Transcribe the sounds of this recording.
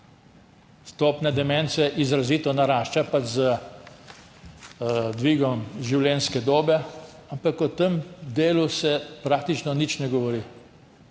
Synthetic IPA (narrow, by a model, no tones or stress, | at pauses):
st̪oːpnɛd̪ɛmɛnsɛʔizɾaziːt̪ɔnaɾaːʃt͡ʃapazə | d̪ʋiːɡɔmʒiwlɛnskɛd̪oːbɛ | ampakɔt̪əmd̪eːlusɛpɾaːk̚t̪it͡ʃnɔnit͡ʃnɛɡɔʋɔɾi